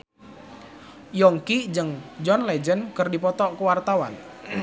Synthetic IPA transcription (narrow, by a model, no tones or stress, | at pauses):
jɔŋkid͡ʒəŋd͡ʒɔnlɛd͡ʒənkərdipɔt̪ɔʔkəwart̪awa̰n